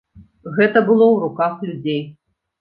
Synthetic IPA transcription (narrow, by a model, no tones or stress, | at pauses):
ɣɛt̪ɐbɨlˠɔwɾukaxlʲud͡zʲej